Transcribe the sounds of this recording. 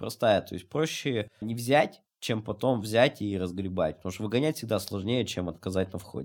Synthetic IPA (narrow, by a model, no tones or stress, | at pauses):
pɾɐst̪ajət̪o̞̰ɪsʲt̚ʲpɾo̞ɕːɪnʲɪvzʲætʲ | t͡ɕempɐt̪o̞mvzʲætʲiɾəzɡɾʲɪbatʲpət̪ɐmuʂt̪əvɨɡɐnʲætʲfsʲɪɡ̚d̪aslˠɐʐnʲejət͡ɕemɐt̪kɐzatʲnɐfxo̰dʲ